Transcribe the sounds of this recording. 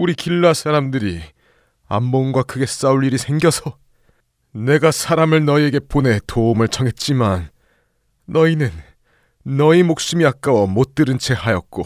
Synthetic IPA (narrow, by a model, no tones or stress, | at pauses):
uɾikiɭːasʰaɾamdɯɾi | a̰mbonɡwakɯɡe̞s͈auɭʎːiɾisʰe̞ŋɡjʌsʰʌ | ne̞ɡasʰaɾamɯɭnʌie̞ɡe̞pone̞toumɯɭt͡ɕʰʌŋɦe̞t̚t͡ɕ͈imanː | ʌinɯnː | ʌimok̚s͈ɯmiak͈̚awʌmot͈ɯɾɯnt͡ɕʰe̞hajʌt̚k͈o